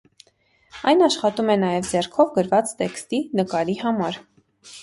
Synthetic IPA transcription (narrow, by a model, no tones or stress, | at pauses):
ɑjnɑʃχɑt̪umɛnɑjɛvd͡zɛrkʰɔvɡəɾvɑt͡st̪ɛkst̪inəkɑɾihɑmɑɾ